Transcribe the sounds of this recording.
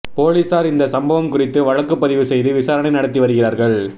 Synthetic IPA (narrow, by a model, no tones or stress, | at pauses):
poːliːsaːɾɪnd̪ɐsɐmbɐʋɐmkʊrɪt̪ːɯʋɐɻɐkːɯpːɐðɪʋɯsɛjðɯʋɪsaːɾɐɳɐɪnɐɽɐt̪̬ːiʋɐɾɯɣɪraːɾɣɐɭ